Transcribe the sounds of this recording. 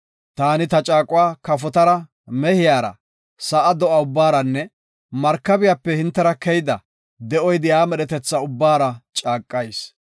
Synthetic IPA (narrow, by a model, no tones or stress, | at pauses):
t̪aːnɪt̪ɐt͡ʃʼaːkʼʊwaːkɐfɔt̪ɐɾɐ | mɛhɪjaːɾɐ̰ | sɐʔɐd̪ɔʔɐʊbːaːɾɐnːɛ | mɐɾkːɐbɪjapːɛhɪnt̪ːɛɾɐkɛjd̪ɐ | d̪ɛʔɔjd̪ɪjaːmɛɗɛt̪ɛt͡sːɐʊbːaːɾɐt͡ʃʼaːkʼːɐjs